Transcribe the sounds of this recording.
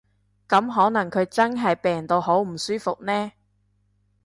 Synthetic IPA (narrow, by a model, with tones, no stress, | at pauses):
kɐ˨˥mɦɔː˨˥nɐ˨˩ŋkʰɵ˨˧ɥt͡sɐ˥nɦɐ˨jpɛː˨˩ŋt̪o˧wɦo˨˥wm̩˨˩syː˥fʊ˨k̚nɛː˥